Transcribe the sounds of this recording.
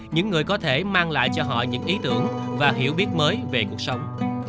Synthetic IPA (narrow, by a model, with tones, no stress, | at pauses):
ɲɨ̰˧˥ŋːɨ˨˩əjkɔ˨˦t̪ʰe˧˩maː˧ŋla̰ː˧˨jt͡ɕɔ˧ɦɔ̰˧˨ɲɨ̰˧˥ŋʔi˨˦t̪ɨ˧˩əŋ | vaː˨˩ɦḭ˧˩əwɓi˦˥ət̚məː˨˦jve˨˩ku˨˩ək̚sə˨˦wŋ͡m